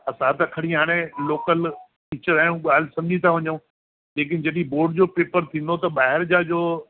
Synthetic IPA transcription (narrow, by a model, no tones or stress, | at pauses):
ɐsãt̪̬ɐkʰɐɽ̤iɦaːɽ̃ẽloːkəl | kɪt͡ɕəɾaːjũɠaːl̤ɪsɐ̃md͡ʑit̪ʰaʋɐɲũː | d͡ʑeːk̬ɪnd͡ʑɐɗĩboːɾɖd͡ʑoːpeːpəɾt̪ʰĩːn̆d̪ot̪ɐɓaːɦɪɾd͡ʑaːd͡ʑoː